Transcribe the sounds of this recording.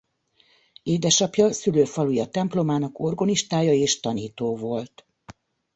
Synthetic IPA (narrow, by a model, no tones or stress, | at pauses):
eːd̪ɛʃɒpjɒsyløːfɒlujɒt̪ɛmplo̞maːnɒko̞rɡoniʃt̪aːjɒeːʃt̪ɒniːt̪oːvo̞lt̪